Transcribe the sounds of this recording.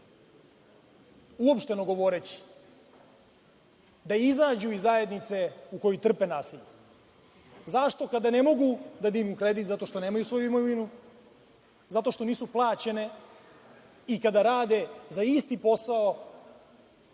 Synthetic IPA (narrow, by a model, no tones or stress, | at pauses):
uo̞pʃt̪e̞noɡo̞ʋo̞ɾet͡ɕi̥ | d̪aizaːd͡ʑuizːaje̞d̪nit̪se̞uko̞jit̪r̩pe̞naːsiʎe | zaʃt̪o̞kad̪ane̞mo̞ɡud̪ad̪iːmukɾe̞d̪it̪zat̪o̞ʃt̪o̞ne̞ːmajusʋo̞juimoʋinu | zat̪o̞ʃt̪oniːsuplˠaːt͡ɕe̞ne̞ | ikad̪aɾaːd̪e̞zaist̪ipo̞sao